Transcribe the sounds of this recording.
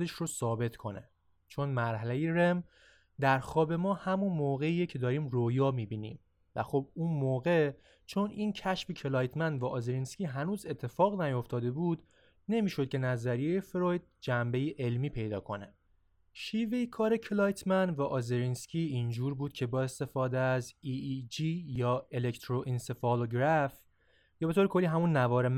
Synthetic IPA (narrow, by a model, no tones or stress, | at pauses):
d̪eʃɾosɒːbe̞t̪ʰkʰo̞̰nḛ | t͡ʃʰo̞nmæɾɦælejeɾem | d̪æɾxɒːbe̞mɒːhæmunmoːɣe̞iːjecʰe̞d̪ɒːɾiːmrojɒːmiːbinḭːm | væ̰xob̚uːnmoːɣe | t͡ʃʰo̞nʔincʰæʃfecʰelɒːjt̪ʰmænvæʔɒzeɾinscʰiːɦænuːze̞t̪ʰːe̞fɒːɣnæjo̞ft̪ɒːd̪e̞buːd̪ | ne̞miːʃo̞d̪̚cʰʲe̞næzæɾijejefɾojd̪̥̚d͡ʒæmbe̞jiʔe̞lmiːpʰe̞jd̪ɒːkʰo̞ne | ʃiːve̞jikʰɒːɾe̞cʰelɒːjt̪ʰmænvæʔɒzeɾinscʲʰiːind͡ʒuːɾbuːd̪̥cʰe̞bɒːe̞st̪e̞fɒːd̪eæzid͡ʒijɒːelekt̪ʰɾoʔinse̞fɒːloɡɾæf | jɒːbeoːɾekʰolːiːɦæmunːævɒːɾem